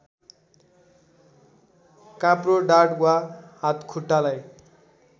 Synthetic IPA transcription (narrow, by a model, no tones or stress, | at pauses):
kãproɖaʈɡwaɦat̪kʰuʈːalaj